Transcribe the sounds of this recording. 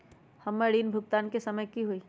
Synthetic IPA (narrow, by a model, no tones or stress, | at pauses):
hɐmːəɽiːnbʱʊɡ̚t̪aːnkesɐməjkiɦuiː